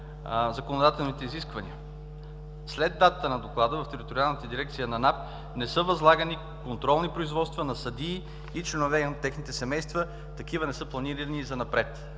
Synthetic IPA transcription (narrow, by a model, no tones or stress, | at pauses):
zɐkonod̪at̪ɛlˠnit̪ɛiziskvɐnḭə | slɛd̪ːat̪ət̪ənɐd̪oklˠad̪əvɐft̪ɛɾit̪oɾialˠnət̪əd̪iɾɛk̚t̪sijənɐnap̪ | nɛsɤvɐzlˠaɡəni | kont̪ɾɔlˠnipɾoizvɔt̪st̪vənɐsɐd̪iː | it͡ʃlɛnovɛot̪ːɛxnit̪ɛsɛmɛjst̪və | t̪ɐkivənɛsɤplˠɐniɾinizɐnɐpɾɛt̪